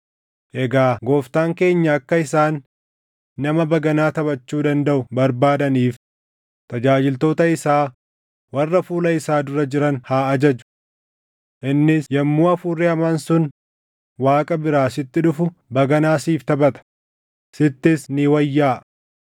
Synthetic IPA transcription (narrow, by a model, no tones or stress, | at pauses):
ʔɛɡaːɡo̞ːft̪aːŋke̞ːɲːɐːkːɐɪsaːnː | ɐmɐbɐɡɐnaːt̪ɐbɐt͡ʃːuːd̪ɐnd̪ɐʔʊbɐɾbaːd̪ɐniːf | t̪ɐd͡ʒaːd͡ʒɪlt̪o̞ːt̪ɐɪsaː | wɐrːɐfuːlɐɪsaːd̪ʊɾɐd͡ʒɪɾɐnhaːɐd͡ʒɐd͡ʒʊ̥ | ʔɪnːɪsjɐmːuːɐfuːrːɛɐmɐnsʊn | waːkʼɐbɪɾaːsɪt̪ːɪᶑʊfʊbɐɡɐnaːsiːft̪ɐbɐt̪ɐ̥ | sɪt̪ːɪsnɪwɐjːaːʔ